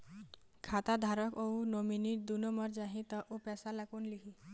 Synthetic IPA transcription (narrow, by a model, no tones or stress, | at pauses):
kʰat̪ad̪ʱaɾəkounominiʈ̚d̪unoməɾd͡ʒaɦĩt̪əʔopɛsalakunlikʰi